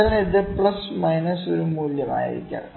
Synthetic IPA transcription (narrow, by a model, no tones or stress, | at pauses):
ɐlned̪epɭɐsmɐjnɐsoɾumuːljɐma̰ːjḭɾḭkʲːa̰ː